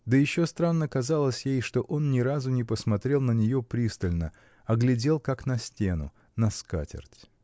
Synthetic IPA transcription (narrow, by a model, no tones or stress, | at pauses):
d̪əjɪɕːo̞st̪ɾanːəkɐzalˠəsʲjejʂt̪o̞ʔo̞nnʲɪɾazʊnʲɪpəsmɐt̪ɾʲe̞lˠnənʲɪjo̞pɾʲist̪əlʲnə | ɐɡlʲɪdʲe̞lˠkaknɐsʲtʲenʊ̰ | nɐska̰tʲɪ̰rtʲ